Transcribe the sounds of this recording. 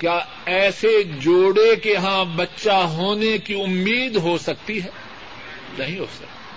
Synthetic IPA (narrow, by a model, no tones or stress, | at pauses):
kjaː | ɛːsed͡ʒoːɽekeɦãbɐtːʃaɦoːnekiʊmːiːd̪ɦosɐk̚t̪iɦɛː | nɐɦĩɦo̰ːsɐ̰k̚t̪i̥